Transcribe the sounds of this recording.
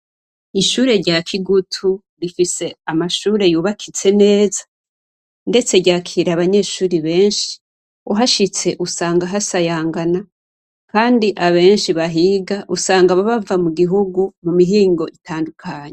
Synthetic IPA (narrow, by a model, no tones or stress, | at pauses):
iʃuːɾe̞ɾɟaːkʰiɡutʰu | ɾifise̞amaʃuːɾe̞juːβakʰit͡se̞ne̞ːzḁ | nde̞t͡se̞ɾɟaːkʰiːɾaβaɲe̞ːʃuːɾiβe̞ːnʃi̥ | uɦaʃit͡se̞ʔusaːŋɡaɦasajaːŋɡana | kaːndiʔaβe̞ːnʃiβaɦiːɡaʔusaːŋɡaβaβavamuɡiɦuɡumumiɦiːŋɡo̞ʔitʰaːndukʰaɲe